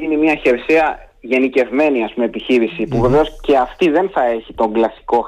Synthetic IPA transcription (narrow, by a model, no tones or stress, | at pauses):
inimiɐçe̞ɾseɐ | ʝe̞nice̞vme̞niɐspumeːpiçiɾisipuve̞ve̞o̞sce̞ɐft̪iðe̞nθɐe̞çit̪o̞ŋɡlɐsi̥ko̞